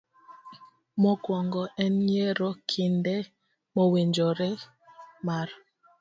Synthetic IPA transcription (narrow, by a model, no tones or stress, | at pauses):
mɔkwɔŋɡɔɛnɲɛɾɔkʰindɛ | mɔwend͡ʒɔɾɛ | maɾ